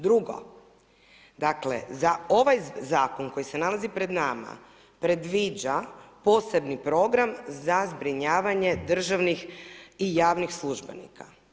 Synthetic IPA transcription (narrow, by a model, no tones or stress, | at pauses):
d̪ɾuɡo̞̰ | d̪aklḛzao̞ʋajzaːkoŋko̞jise̞nalazipɾe̞d̪nama̰ | pɾe̞d̪ʋid͡ʑapo̞ːse̞bnipɾo̞ɡɾamzazbɾiɲaːʋaɲe̞d̪r̩ʒaʋnixijaːʋnixslˠuʒbḛnḭkʰa